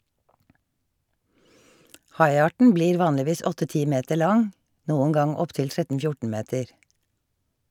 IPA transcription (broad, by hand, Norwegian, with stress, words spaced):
ˈhɑɪˌɑːʈɳ̩ ˈbliːɾ ˈʋɑːnlɪˌʋiːs ˈɔtə ˈtiː ˈmeːtəɾ ˈlɑŋ ˈnuːŋ̍ ˈɡɑŋ ˈɔpˌtɪl ˈtɹɛtn̩ ˈfjʊʈɳ̩ ˈmeːtəɾ